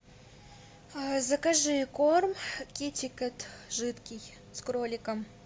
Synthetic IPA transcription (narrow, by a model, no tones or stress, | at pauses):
zɐkaʐɨjkormkʲitʲɪkət̪ʐɨt̪kʲij | skɾolʲɪkəm